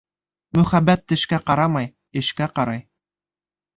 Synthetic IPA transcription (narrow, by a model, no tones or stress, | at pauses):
mɵ̆χæbːæt̪ːɘ̆ʃkæqɑɾɑmɑj | ɘ̆ʃkæqɑɾɑj